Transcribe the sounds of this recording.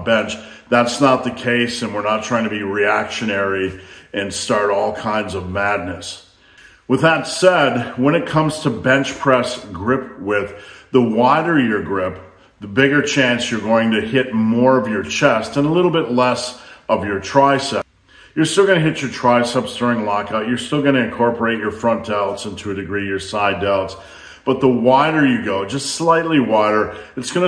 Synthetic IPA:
bɛ̃nt͡ʃ | ðætsnət̪̚ðɨkʰeɪsɨ̃nwɨɹnətʰɹ̥aɪɪ̃ŋtʰbiɹiækʃɨnɛɹiɨ̃nstɑɹɾɔlˠkʰãɪ̃ndzʌvmædⁿnɨs | wəðətsɛd̚wə̃ñɨt̚kʰʌ̃mz̥tʰɨbɛ̃nt͡ʃpʰɹ̥ɛsɡɹɪpwɪððəwaɪɾə˞jə˞ɡɹɪp̚ | ðəbɪɡə˞t͡ʃʰæ̃nsjə˞ɡoʊɪ̃ŋtɨhɪt̚mɔɹʌvjə˞t͡ʃʰɛstɨ̃nəlɪɾl̩ˠbɪtˡlɛsʌvjə˞tʰɹ̥aɪsɛ | jə˞stɪlˠɡʌñɨɦɪt͡ʃə˞tʰɹ̥aɪsɛpsθə˞ɪ̃ŋlɑkaʊt͡ʃjə˞stɪlˠɡʌñɨɨ̃nkʰɔɹpə˞eɪt͡ʃə˞fɹʌ̃nd̥aʊtsə̃ntʰʉdɨɡɹijə˞saɪdaʊts | b̥ʌt̪̚ðəwaɪɾə˞jɨɡoʊd͡ʒʌstslaɪtˡliwaɪɾə˞ɨtsɡ̥ʌnɨ

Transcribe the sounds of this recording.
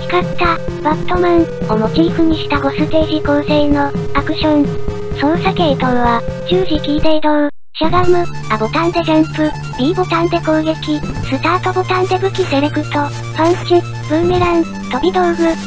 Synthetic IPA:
i̥kḁt̪abat̪ːomɯ̃ŋ | omo̞t͡ɕiːɸɯ̟ɲ̟iɕi̥t̪aɡo̞sɨt̪e̞ːʑikoːse̞ːno̞akɯ̟ɕõn | sõ̞ɰsake̞ːt̪oɯβad͡ʑɨːʑikʲiːt̪eːd̪oɯ̟ | ɕaɡamɯ̟ | abo̞t̪ãnd̪e̞ɡẽmpɯ̟ | bʲiːbo̞t̪ãnt̪e̞koːɡe̞kʲisɨt̪aːt̪obo̞t̪ãnd̪e̞bɯ̟kʲise̞ɾekɯ̟t̪o̞ | ɸãɰ̃t͡ɕi | bɯ̟̃meɾãn | t̪o̞bʲid̪oɯɡɯ̟

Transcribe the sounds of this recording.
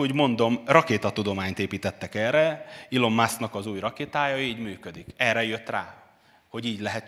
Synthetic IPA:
uːɟmo̞nd̪o̞mrɒkeːt̪ɒt̪ud̪o̞maːɲt̪eːpiːt̪ɛt̪ːɛkɛːrɛilo̞mːasnɒkɒzuːjrɒkeːt̪aːjɒiːɟmyːkød̪ikɛrːɛjø̞t̪raː | ho̞ɟiːɟlɛɦɛt̪

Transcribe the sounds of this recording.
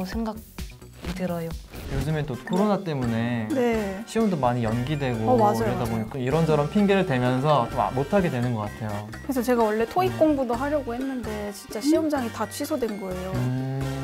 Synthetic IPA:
sʰe̞ŋɡaɡ̚ | itɯɾʌjojod͡ʑɯment͈okʰoɾonat͈e̞mune̞ne̞ɕʰiʌmdomaɲijʌnɡidwe̞ɡomad͡ʑaɾʌdaboɲikk͈ɯmiɾʌnd͡ʑʰʌɾʌmpʰinɡeɾɯɭdwe̞mjʌns̬ʰʌt͡ɕ͈oma̰motʰaɡe̞dwe̞nɯnɡʌk͈atʰe̞jo | kɯɾesʰʌt͡ɕe̞ɡawʌɭːe̞tʰoik̚k͈oŋbudoɦaɾjʌɡohe̞nːɯnde̞t͡ɕint͡ɕ͈aɕʰiʌmd͡ʑaŋitat͡ɕʰɥisʰodwe̞nɡʌe̞jo

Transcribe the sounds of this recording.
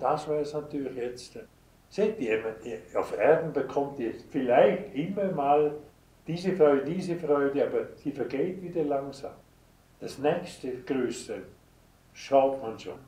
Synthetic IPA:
d̥asvɛːɾsnatyːlˠɪxjɛt͡st | setiɛmənafɛɾdn̩bəkʰɔmtɛt͡sfilaɪxtɪmːəmaːl | d̥iːzəfʁɔʏdədiːzəfrʁɔʏdəaːbəsifɛɾɡeːtvidəlaŋsa̰ːm | d̥asnɛkstəɡ̥røːsə | ʃaʊtmanʃo̰n

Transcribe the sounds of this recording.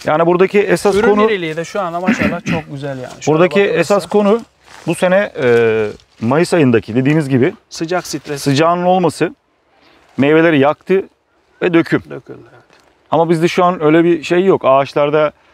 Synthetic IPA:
ja̰ːnibuɾd̪acʰiɛsasɾkʰo̞nuilʲid̪ɛʃuanamaʃalˠat͡ʃʰok̚ɟyzælʲja̰ːnʃbuɾd̪aciɛsaskʰo̞nu | buse̞nɛɛ | majɯsajɯnd̪acʰid̪e̞d̪iːmizɟibɪsɯd͡ʒaksit̪sɯd͡ʒaːnɯno̞lˠmasɯ | mejve̞lʲe̞ɾijak̚t̪ʰɯ | vɛd̪ø̞cʰym | amabizd̪ɛʃuanø̞ːjlʲɛbiʃe̞jːokaːt͡ʃlˠaɾd̪a

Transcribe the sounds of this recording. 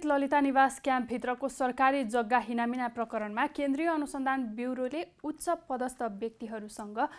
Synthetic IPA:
t̪lʌlit̪anibaskjãmp̚bʱit̪rʌkosʌrkaɾid͡zʌɡːaɦinaminaprʌkʌɾʌnmakend̪rijʌːnusʌnd̪ʱanbiwɾoleut̪sʌpʌd̪ʌst̪ʰʌbjʌk̚t̪iɦʌɾusʌŋɡʌ

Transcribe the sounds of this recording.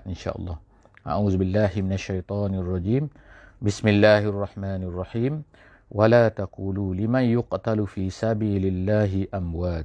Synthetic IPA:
ʔɪnʃa̰ːʔɑ̰lˤːɑː | ʔa̰ʕuːðbɪlːaːhɪmɪnaʃːajt̪ˤɑːnɑrˤːɑd͡ʒiːm | bɪsmɪlːaːhʔɑrˤːɑħmaːnɑrˤːɑħiːm | wʔalaːt̪aquːlulɪmanjʊqt̪alfiːsabiːlɪlːaːɦɪʔamwaːt̪

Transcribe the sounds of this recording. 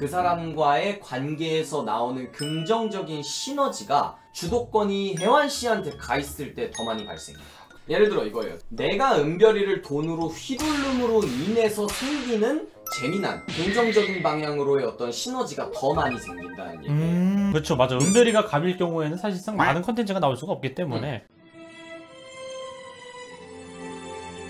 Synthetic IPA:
kɯs̬ʰaɾamɡwae̞kwanɡe̞ːsʰʌna̰onɯnkɯŋd͡ʑʌŋd͡ʑʌɡinɕʰinʌd͡ʑiɡa̰ | t͡ɕudok̚k͈ʌɲiɦe̞wanɕ͈ʰiɦantʰe̞kais͈ɯɭt͈e̞tʌmaɲipa̰ɭs͈ḛŋḭda | je̞ɾɯɭdɯɾʌiɡʌḛjo̰ne̞ɡaɯmbjʌɾiɾɯɭtonɯɾoɸibuɭːɯmɯɾoine̞sʰʌsʰeŋɡinɯn | t͡ɕe̞mina̰nkoŋd͡ʑʌŋd͡ʑʌɡinbaŋɦjaŋɯɾoe̞ʌt͈ʌnɕʰinʌd͡ʑiɡatʌmaɲisʰaŋdint͈a̰ɲḭɯkɯt͡ɕʰomad͡ʑaɯmbjʌɾiɡakabiɭk͈jʌŋue̞nɯnsʰaɕ̬ʰiɭs͈aŋmanɯnkʰʌntʰe̞nt͡ɕʰɯɡanaoɭs͈uɡaʌp̚k͈it͈e̞mune̞

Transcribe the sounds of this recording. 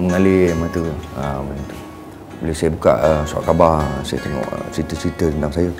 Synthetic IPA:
məŋalimat̪əəbənət̪u | boləsajəbuka̰ʔəsua̰ʔkabasa̰jə̰t̪eŋɔ̰ʔsit̪əsit̪ət̪ənd̪aŋsajə

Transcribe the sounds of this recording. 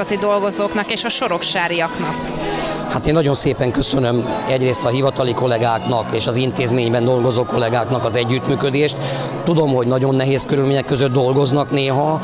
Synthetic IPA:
ɒt̪id̪o̞lɡo̞zoːknɒkeːʃɒʃo̞ɾo̞kʃaːɾijɒknɒk | hat̪eːnːɒɟo̞nseːpɛŋkø̞sø̞nø̞mɛɟreːst̪ɒɦivɒt̪ɒliko̞lɛɡaːknɒkeːʃɒzint̪eːzmeːɲbɛnd̪o̞lɡo̞zoːko̞lɛɡaːknɒkɒzɛɟːyt̪myːkø̞d̪eːʃt̪ | t̪ud̪o̞mho̞ɟnɒɟo̞nːɛɦeːskøɾylmeːɲɛkːøzød̪̚d̪o̞lɡo̞znɒkneːɦɒ

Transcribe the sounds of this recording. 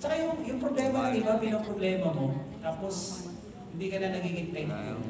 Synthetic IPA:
t͡ʃɐkajʊŋjʊŋpɾoblɛːmɐkɐnibamɛɾoŋpɾoblɛːmɐmo̞t̪aːpos | hɪnd̪iːkɐnanɐɡiːɡɪnt̪ɛŋt̪jo

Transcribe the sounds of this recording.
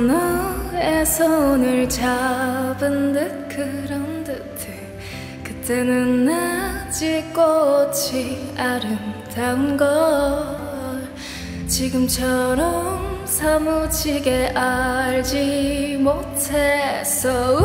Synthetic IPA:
nʌesʰʌonɯɭt͡ɕabɯndɯt̚kɯɾʌndɯtʰɯ | kɯt͈e̞nɯnːat͡ɕik͈ot͡ɕʰiaɾɯntanɡʌ | t͡ɕiɡɯmt͡ɕʰʌɾʌm | sʰamut͡ɕʰiɡe̞ʔaɭd͡ʑimotʰesʰʌ

